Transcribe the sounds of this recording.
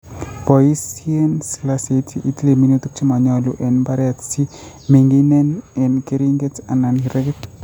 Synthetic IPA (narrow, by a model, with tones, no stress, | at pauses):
pɔ˨i˦sie˦nsi˦lasetʰiʔi˨ti˦le˨mi˦notu˦k̚t͡ʃi˦ma˨ɲɔluʔe˨nba˦ɾɛtsi˦ | me˨ŋɡine˦ne˨nke˦ɾiŋɡe˦ta˨nanhi˨ɾe˦kt